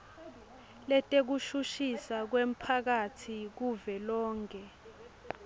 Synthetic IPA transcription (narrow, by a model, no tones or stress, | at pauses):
lɛtʼek̬uʃuʃisak̬wem̩pʰak̬atʰik̬uvɛlɔːŋkʰʼɛ